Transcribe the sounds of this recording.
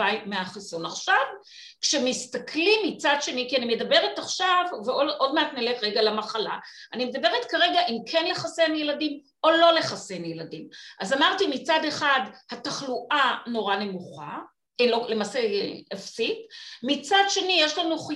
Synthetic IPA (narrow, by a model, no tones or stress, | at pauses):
ajmeaχisunaχʃav | kʃemist̪akʰlimːit͡sadʃe̞nikianimedabe̞ʁetaχʃavveoʔo̞dmeat̪neletʁeɡalamaχala̰anime̞d̪abe̞ʁet̪kaʁe̞ɡaʔimkʰenle̞χasenjeladim | o̞lo̞le̞χasenjeladimʔazamaʁtimit͡sade̞χadhataχluʔano̞ʁane̞muχa̰ | lolemaːseafsitmit͡sadʃe̞nijeʃlanuχ